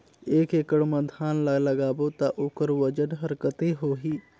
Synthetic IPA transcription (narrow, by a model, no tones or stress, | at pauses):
eːkeːkəɽmɐ̃d̪ʱaːnlələɡaːbot̪aʔokəɾʋəd͡ʒənɦəɾkət̪eɦoːɦiː